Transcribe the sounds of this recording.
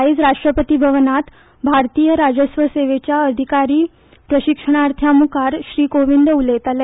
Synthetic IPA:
iːd͡zɾaʂʈɾəpət̪ibʱəʋənat̪ | bʱaɾt̪iːjəɾad͡ʑəsʋəseʋet͡ɕjaəd̪ʱikaɾiː | pɾəɕikʂəɳ̃aɾt̪ʰjamukaɾɕɾiːkoʋind̪ulet̪ale

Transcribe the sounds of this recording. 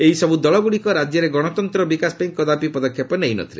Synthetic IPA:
eɦisɔbud̪ɔɭɔbuɽikɔɾad͡ʒjɔɾeɡɔɽ̃ɔt̪ɔnt̪ɾɔbikaspaĩŋkɔd̪apipɔd̪ɔkʰjɔpɔneɦinɔ̰t̪ʰiɾḛ

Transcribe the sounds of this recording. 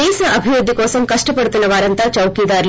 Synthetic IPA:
eːsɐʔɐbʱiʋɾud̪ʱːikoːsɐmkɐʂʈɐpɐɽut̪inːɐʋaːɾɐnt̪ɐt͡ʃɐwkiːd̪aːɾl

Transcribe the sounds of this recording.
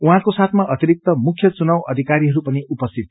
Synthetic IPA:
uɦãkosat̪ʰmaʔʌt̪iɾik̚t̪ʌmukʰjʌt͡sunawʌd̪ʱikaɾiɦʌɾupʌniʔupʌst̪ʰit̪̚

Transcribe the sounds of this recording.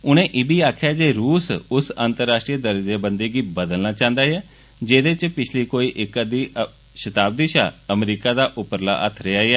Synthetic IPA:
ʊnẽːʔɪbiːaːkʰjaːd͡ʒeːɾuːsʊsaːnt̪əɾːaːsʈɾiəd̪əɾd͡ʒeːbənd̪eːɡiːbəd̪əlnaːt͡ʃãːnd̪aːjɛː | d͡ʒeːd̪eːt͡ʃpɪt͡ʃʰliːkoːiːʔɪkd̪iː | ʃət̪aːb̚d̪iʃaːəmɾiːkaːd̪aːʔʊpəɾla̰ːʔət̪ʰɾɛaːɛː

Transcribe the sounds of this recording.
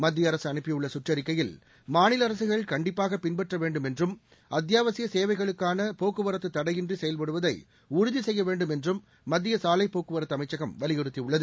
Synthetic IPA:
mɐd̪ːɪjɐɾɐsɯɐnɯpːɪjɯɭːɐsʊʈrɐɾɪkːɐjɪl | maːnɪlɐɾɐsɯɣɐɭkɐɳɖɪpːaːɣɐpɪnbɛʈrɐʋeːɳɖɯmɛndrɯm | ɐt̪jaːʋɐsɪjɐseːʋɐɪɣɐɭɯkːaːnɐpoːkːɯʋɐɾɐt̪ːɯt̪ːɐɽɐjɪndrisɛjɐlpɐɽɯʋɐðɐɪ | ʊɾʊðisɛjːɐʋeːɳɖɯmɛndrɯmː | ɐd̪ːɪjɐsaːlɐɪpːoːkɯʋɐɾɐt̪ːɯɐmɐɪt͡ʃːɐɣɐmʋɐlɪɣɛɽɯt̪ːiʊɭːɐðɯ

